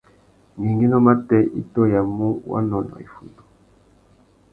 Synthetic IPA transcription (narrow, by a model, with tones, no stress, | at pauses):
ŋi˨ŋɡi˦nɔ˦ma˦tɛ˦ḭ˦tɔ˦ja˨mo˦wa̰˦nɔ˦nɔ̰˨ḭ˨fu˨ndu̥˨